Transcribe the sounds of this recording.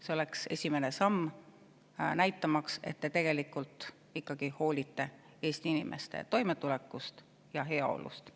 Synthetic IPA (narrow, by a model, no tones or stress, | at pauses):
seo̞le̞kse̞sʲime̞ne̞sɑmː | næjt̪ːˑɑmɑkse̞̰t̪t̪ːe̞t̪e̞ɡ̥e̞likːult̪ˑ | ikːˑɑɡ̥iho̞ːlʲit̪ːe̞ | e̞ːst̪iinimʔḛst̪ḛt̪o̞jme̞t̪ule̞kːˑust̪ | jɑɦe̞ɑo̞̰lṵst̪